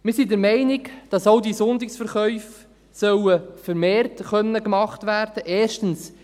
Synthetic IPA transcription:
mɪːsidəɾmɛɪnɪkd̥ɑsowdisʊndɪksfəɾχœʏf | sœwəfəɾmeːrtχœnːəkmɑχtʋæːrd̥əʔeːʃtəns

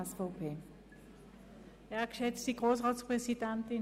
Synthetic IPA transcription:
ɛsfɔʊpʰeː | ɛːɐɐkʃɛt͡stiɡʁoːs̬ʁɑːtspʁɛsidɛntɪ

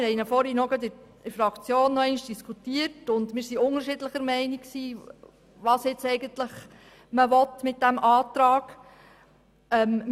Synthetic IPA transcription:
hɛɪnəfɔɾinɔɡəd̪ɪ | ɪfɾɑkt͡sjoːnːɔɛɪnʃd̥iskʰutiəɾtʊndmɪːɾsiʊŋəɾʃɪdləχəɾmɛɪnikksiː | ʋɑːsɪt͡sɛɪɡəntləχ | məʋɔt̪mɪt̚d̥æmʔɑːt̪ɾɑːɡ | ɛm

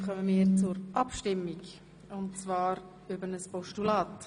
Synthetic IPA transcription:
χœmənmiːɾt͡sʊɾʔɑpʃtɪmːiɡ | ʊntt͡svɑːɾ | ʏbənəspɔʃtulɑːt

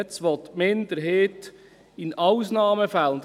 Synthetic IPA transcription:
t͡sʋɔt̪mɪnd̪əɾɦeːt̪ | ɪnɑwsnɑːməfælnd

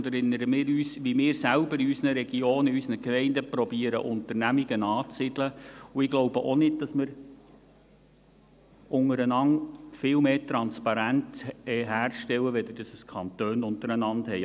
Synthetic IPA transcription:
dɛɾɪnːəɾəmɪːɾyːsʋimɪːɾsælbəɾɪysənəɾɛɡ̥ioːnɪysənəkmɛɪndəpɾɔbiːəɾə̰ʔʊnt̪əɾnæmiɡənɑːt͡sɪdləuɪɡ̥lowbəʔonɪd̚d̥ɑsmɪɾ | ʔʊŋəɾənɑŋfɪlmeːtɾɑnspɑɾæntɛɦæːrʃtɛwəʋɛd̪əd̥ɑsəskʰɑnt̪øːnʊntəɾənɑndhɛɪ

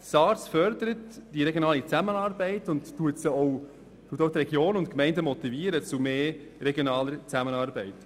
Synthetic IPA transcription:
sɑːɾsfœɾd̪əɾətd̥iɾɛɡjoɔnɑːlit͡sæmənɑːɾbɛɪtʊnːuətsəɔw | tuːətowt̪ɾɛɡjoːnʊntkmɛɪndəmɔt̪iviəɾət͡sumeː | ɾɛɡjonɑːləɾt͡sæmənɑːɾbɛɪt

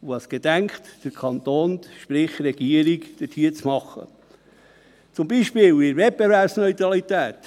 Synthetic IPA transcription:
uɑsɡ̥ed̥̪æŋkχt̪d̥əɾkʰɑnt̪oːnʃpɾɪχɾɛɡ̥iəɾikd̥ətʰhiːət͡smɑχːə̰ | t͡sʊmbiːʃpɪːlɪɾvɛt̚bevæɾpsnɔjt̪ɾɑlit̪æːt̪

